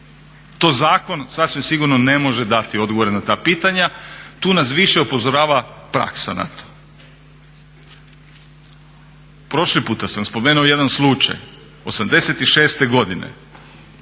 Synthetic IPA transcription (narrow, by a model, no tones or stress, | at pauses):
t̪ozaːko̞nsasʋimsiɡuɾnone̞mo̞ʒed̪at̪io̞d̪ɡoʋo̞ɾenat̪aːpiːt̪aɲat̪uːnas̬ʋiʃe̞upo̞zo̞ɾaːʋapɾa̰ksa̰na̰t̪o̥ | pɾo̞ʃlipuːt̪asamspo̞meːnuoje̞d̪anslˠut͡ʃa̰j | o̞̰samd̪e̞se̞t̪iʃe̞ːst̪e̞ɡo̞d̪inḛ